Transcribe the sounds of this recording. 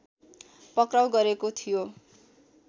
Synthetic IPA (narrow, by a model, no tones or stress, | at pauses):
pʌkrawɡʌɾekot̪ʰijo